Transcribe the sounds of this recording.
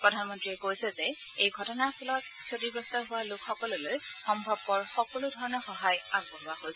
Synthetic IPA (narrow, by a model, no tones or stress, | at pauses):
pɹɔdʱanmɔntɹiɛkojsɛzɛejɡʱɔtɔnaɹpʰɔlɔt | sʰodibɹɔstaɹɦʊwalʊkxɔkɔlolojxɔmbʱɔb̚ːɔɹxɔkɔlʊdʱɔɹɔnɔɹxɔɦajaɡ̚bɔɦʊaɦojsɛ